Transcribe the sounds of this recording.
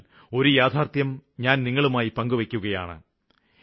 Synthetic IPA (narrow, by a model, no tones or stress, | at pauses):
l | o̞ɾujaːt̪ʰaːrt̪jɐmɲaːnniŋːɐɭumaːjipɐŋɡuʋekʲːuɣɐjaːɳɨ̰